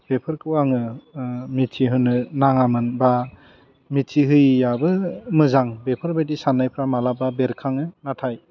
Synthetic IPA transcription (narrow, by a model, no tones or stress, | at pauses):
b̥epʰɯɾkɯwaŋɯ | mitʰiɦɯnɯnaŋamɯnba | mitʰiɦɯjjabɯmɯzaŋbepʰɯɾbajdisanːajpʰɾamalababeɾkʰaŋɯnatʰaj